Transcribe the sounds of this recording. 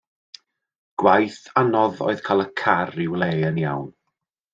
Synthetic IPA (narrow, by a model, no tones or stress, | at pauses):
ɡ̥wajθanɔðɔ̰ːɨð̥kʰaːlˠəkʰarɪwlˠeənja̰wn